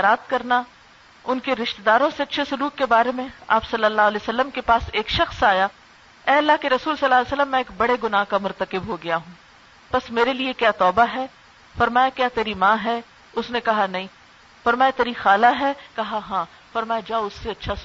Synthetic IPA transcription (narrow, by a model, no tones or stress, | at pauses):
ɾaːt̪kɐɾna | ʊnkeɾɪʃt̪ed̪aːɾõseɐtːʃʰesʊɾuːkkebaːɾemẽa̰ːpsɐlːəlːaːɦʊɐlɛjosɐlːəmkepaːseːkʃɐxsaːjaː | ɛːɐlːaɦkeɾɐsuːlsɐlːaːlːsəlːəmːɛ̃eːk̚bɐɽeɡʊnaːɦkamʊɾt̪əkɪbɦoɡɐjaɦũː | pɐsmeːɾeliekjaːt̪ɔːbaɦɛː | fɐɾmaːjakjaːt̪eːɾimãːɦɛ | ʊsnẽkɐɦanɐɦĩː | fɐɾmaːjat̪eːɾixaːlaɦɛkɐɦaɦãː | fɐɾmaːjad͡ʒaːʊsːeɐtːʃʰas